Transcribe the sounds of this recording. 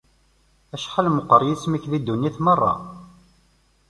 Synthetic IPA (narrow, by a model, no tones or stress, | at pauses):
æʃħalməqːəɾˤjismiçðid̪ːunːiθmərˤːɑ̰